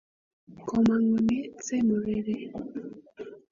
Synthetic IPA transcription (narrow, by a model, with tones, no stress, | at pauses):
kɔ˨ma˨ŋɔ˨ne˦t͡se˦mo˨ɾe˦ɾe˦